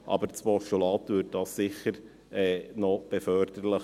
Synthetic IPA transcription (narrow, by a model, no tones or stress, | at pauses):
ʔɑ̰bəɾt͡sʋoʃolɑːt̪ʋʏːd̚d̥ɑsːɪχəɾ | ɛːnɔb̥ɛfœɾd̪̥əɾlə